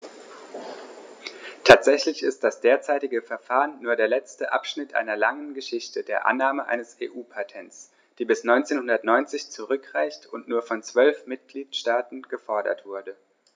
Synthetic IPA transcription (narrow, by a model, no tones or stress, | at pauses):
tʰaːtz̥ɛçlɪçɪst̚d̥asd̥eːɐt͡saɪtɪɡəfɛɐfaːʁənːuːɐɾeːɐlɛt͡stəʔa̰pʃnɪtʔa̰ɪnɐlaŋənɡəʃɪçtədeːɐʔa̰nːaːməʔa̰ɪnəseːʔuːpʰatʰɛnt͡s | d̥iːbɪsnɔʏnt͡seːnhʊndɐtnɔʏnt͡sɪçt͡suʁ̞ʏkʁ̥aɪçtʊntnuːɐfɔnt͡sv̥œlfmɪt̚ɡ̥liːtʃtaːtn̩ɡ̥əfɔɐɾɐ̰tv̥ʊɐdə